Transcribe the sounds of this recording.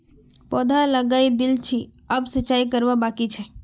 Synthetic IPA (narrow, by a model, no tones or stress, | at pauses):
pɔd̪ʱaləɡaid̪ilt͡ʃʰiəbsət͡ʃaikəɾbabakit͡ʃʰɛ